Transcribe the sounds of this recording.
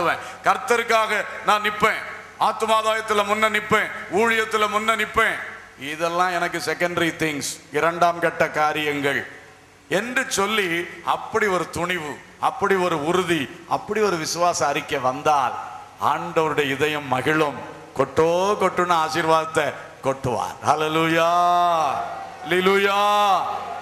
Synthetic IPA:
ʋẽː | kɐɾt̪ːɐɾɯkːaːɣɐnãːnɪpːẽː | aːt̪ɯmaːðaːjɐt̪ːɪlɐmʊnːɐnɪpːẽːuːɻɪjɐt̪ːɪlɐmʊnːɐnɪpːẽː | ɪðɛlːãːɛnɐk̬ːɯsɛkːɐɳɖɐɾit̪ɪŋɡsɪɾɐɳɖaːmkɐʈːɐkaːɾɪjɐŋɡɐɭ | ɛndrɯt͡ʃɔlːiɐpːɐɽiɔɾɯt̪ʊɳɪʋɯ | ɐpːɐɽiɔɾɯʊɾʊðiɐpːɐɽiɔɾɯʋɪsɯʋaːsɐɐɾɪkːɐʋɐnd̪aːl | a̰ːɳɖɐʋɐɾɯɽɐjɐɪðɐjɐmːɐɣɪɭɯm | kɔʈːoːkɔʈːɯɳːɐaːsiːɾʋaːðɐt̪ːɐ | kɔʈːɯʋa̰ːɾhɐːleluːjaː | ɐleluːjaː

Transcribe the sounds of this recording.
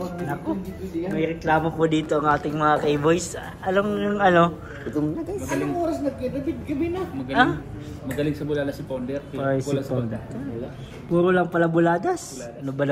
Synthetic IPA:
nɐkomɐjɾɛklaːmopod̪iːt̪o̞ʔɐŋʔaːt̪ɪŋmɐŋakejbojs | ʔɐlomɐŋɐno̞ | ʊt̪oŋɐɐmɐnoŋoːɾɐsnɐɡ̚kɛpɐbɪd̪kɐbɪnɐmɐɡɐaɪ | mɐɡɐlɪŋsɐbʊlaːd̪ɐsɪpawnd̪ɛɾpjslɐod̪ɐl | puːɾolɐŋpɐlɐbʊlaːd̪ɐs | ɐnobɐlɐ

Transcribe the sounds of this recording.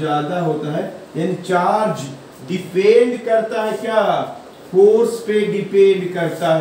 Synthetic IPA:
jaːd̪aɦoːt̪aɦɛjaːnit͡ʃaːɾd͡ʒ | ɖɪpẽːɳɖkɐɾt̪aɦɛkjaː | fʰoːɾspeɖɪpẽːɳɖkɐɾt̪aɦɛ

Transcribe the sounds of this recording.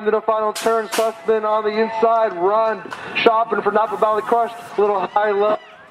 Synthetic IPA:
mɨ̃ɾəfãɪnl̩ˠtʰɜ̃˞nsʰʌsmɪ̃nə̃nðiɪ̃nsaɪd̚ɹʌ̃nʃɑpɪ̃ŋfə˞napəbalˠikʰɹ̥ʌʃlɪɾl̩ˠɦaɪlɛ

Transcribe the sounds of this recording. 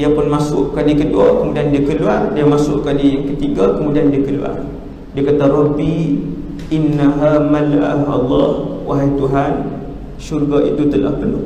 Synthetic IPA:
iapʊnmãsʊʔkalikəduakəmũdiandiakəluardiamãsʊʔkalikət̪iɡakəmũdiandiakəlṵa̰r | diakat̪aɾɔbi | ʔɪnːaɦamalaʔa̰hɑ̰lˤːɑhwaɦajt̪uɦan | ʃurɡaʔḭt̪ut̪əla̰hpənʊ̰h

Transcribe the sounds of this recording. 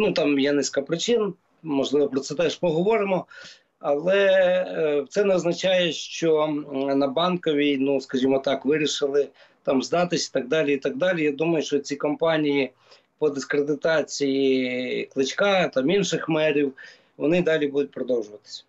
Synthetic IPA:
nut̪ɑmjɛnɪsʲkɐpɾɪt͡ʃɪn | mɔʒlˠɪʋɔpɾɔt̪sɛt̪ɛʃpɔɦɔʋɔɾɪmɔ | ɐlˠɛ | wt̪sɛnɛɔznɐt͡ʃɑjɛʃt͡ʃɔnɐbɑnkɔʋʲinuskɐʒʲimɔt̪ɑkʋɪɾʲiʃɪlˠɪ | t̪ɑmzd̪ɑt̪ɪsʲi̥t̪ɐɡ̚d̪ɑlʲiit̪ɐɡ̚d̪ɑlʲijad̪umɐjʊʃt͡ʃɔt͡sʲikɔmpɑnʲiji | pɔd̪ɪskɾed̪ɪt̪ɑt͡sʲijiklˠɪt͡ʃkɑt̪ɑminʃɪxmɛɾʲiw | ʋɔnɪd̪ɑlʲibud̪ʊt̚ʲpɾɔd̪ɔwʒʊʋɐt̪ɪ̥sʲɐ̥

